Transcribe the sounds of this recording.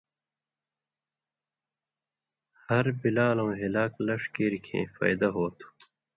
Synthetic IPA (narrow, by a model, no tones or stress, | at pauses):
hɐɾbilaːlɐ̃wɦilaːklɐʂkeːɾikʰḛ̃ːfa̰ːjd̪ɐɦoːt̪ʰu̥